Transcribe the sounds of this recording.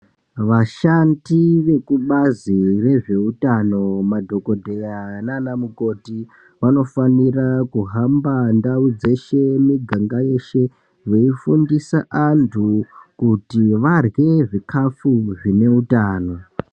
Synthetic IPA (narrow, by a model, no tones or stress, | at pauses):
ʋaʃandiʋe̞kuɓazire̞ʐe̞utano̞madʱo̞ko̞dʱejananamuko̞ti | ʋano̞fanirakuɦambandaud͡ze̞ʃe̞miɡʱaŋɡaje̞ʃe̞ | ʋeifundisaʔantʰukutiʋarɣe̞ʐikʰafuʐine̞utaːno̞